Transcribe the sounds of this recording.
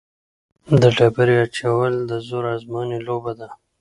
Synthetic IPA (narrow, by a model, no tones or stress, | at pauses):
d̪əʈabaɾiat͡ʃawəld̪əzoɾɑzmɑːnilobad̪a